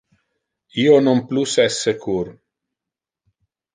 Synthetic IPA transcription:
iːonomplusɛsːekʰuɾ

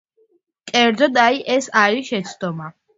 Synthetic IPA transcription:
kʼɛɾd̪zɔd̪aiʔɛsaɾiʃɛt̪sʰd̪̥ɔma

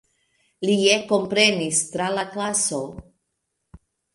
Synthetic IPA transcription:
lieko̞mpɾe̞nistɾalaklaso̞

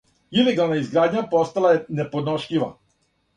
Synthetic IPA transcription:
ilɛɡalˠnaizɡɾad̪ɲapɔst̪alaɛnɛpɔd̪nɔʃʎʲiʋa

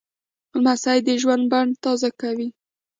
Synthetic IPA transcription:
lmasajd̪əʒwand̪̚baɳɖt̪ɑzakawi

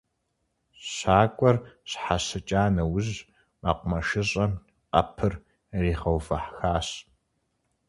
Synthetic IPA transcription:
ɕaːkʷʼɔrɕħaɕɨt͡ʃʼaːnɐwʊʑ | ma̰qʷʊmɐʃɪɕʼɐm | qʼɐ̰pʰɨr | riːχɐwvɐħxaːɕ

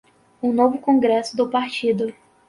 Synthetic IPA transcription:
ũnovʊkõɡɾɛsʊd̪ʊpaɾt͡ʃid̪ʊ

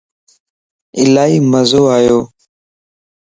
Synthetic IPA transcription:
ɪ̰laːiːməzoːaːjoː

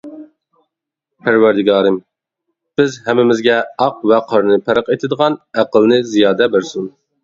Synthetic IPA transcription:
pʰæɾwæɾd̪ɪɡɑːɾɨm | b̥ɪzhɛmːɪmɪzɡʲɛɑq̚vɛqʰɑɾnɨpʰæɾəqet̪ʰɪd̪əʁɑnæqəlˠnɨzijɑːd̪ɛbɪɾsun

